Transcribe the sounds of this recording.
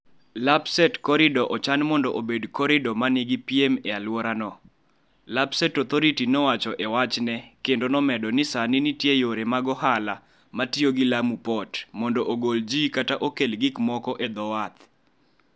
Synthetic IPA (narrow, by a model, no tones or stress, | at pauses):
lapsɛtkɔɾɪdɔʔɔt͡ʃanmɔndɔʔobedkɔɾɪdɔmaniɡipiemɛalwɔɾanɔ | labsetɔt̪ʰoɾitinɔwat͡ʃɔʔewat͡ʃnɛkendonɔmɛdɔnɪsanɪnitjejoɾemaɡɔhala | matioɡɪlamupɔtmɔndɔʔoɡold͡ʒikataʔokelɡɪkmɔkɔʔed̪ɔwat̪